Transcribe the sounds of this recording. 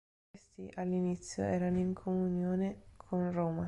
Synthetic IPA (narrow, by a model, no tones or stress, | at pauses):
st̪iʔalːinit̪sːjo̰ɛːɾanoiŋkʰomunjoːnekʰonroːma